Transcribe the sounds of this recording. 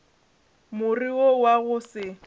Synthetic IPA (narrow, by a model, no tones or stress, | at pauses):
mʊriɔwaɣʊsɪ